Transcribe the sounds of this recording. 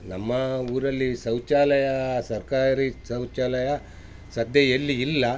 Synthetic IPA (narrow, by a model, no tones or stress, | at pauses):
nɐmːɐuːɾɐlːisɐwt͡ʃaːlɐjɐsɐɾkaːɾisɐwt͡ʃaːlɐjɐ | sɐd̪ʱjɐjelːiːlːɐ